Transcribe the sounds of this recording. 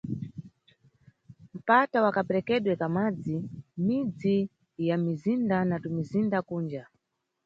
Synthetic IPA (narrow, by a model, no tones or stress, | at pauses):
m̩patawakapɛɾɛkɛɗwɛkamad͡zimid͡zi | jamizindanatumizindakuːnd͡ʒa